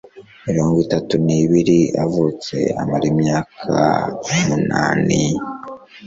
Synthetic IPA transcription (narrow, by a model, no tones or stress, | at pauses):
miɾo̞ːŋɡitatuniβiɾiavut͡se̞̰a̰maɾimɲaːkʰa̰muna̰ːni